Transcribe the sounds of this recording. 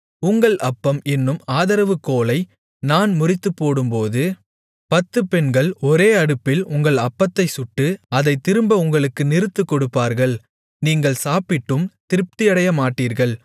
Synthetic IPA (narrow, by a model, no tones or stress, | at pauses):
ʊŋɡɐɭɐpːɐmɪnːɯmaːðɐɾɐʋɯkːoːlɐɪ | naːnmʊrɪt̪ːɯpːoːɽɯmpoːðɯ | pɐt̪ːɯpɛnɡɐɭɔɾeːɐɽɯpːɪlʊŋɡɐɭɐpːɐt̪ːɐɪsʊʈːɯɐðɐɪt̪ːɪɾɯmbɐʊŋɡɐɭɯkːɯnɪɾɯt̪ːɯkːɔɽɯpːaːɾɣɐɭ | niːŋɡɐɭsaːpɪʈːɯmt̪ɪɾɯp̚t̪ɪjɐɽɐjɐmaːʈːiːɾɣɐɭ